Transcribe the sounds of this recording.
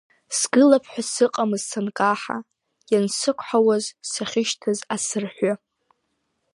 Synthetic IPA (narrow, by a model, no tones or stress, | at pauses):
sɡ̥ɨlapʰħʷᶣasɨqʼamɨzsankʼaħa̰ | jansɨkʷʰħawazsaχʲɪʃtʰɨzasɨrħʷa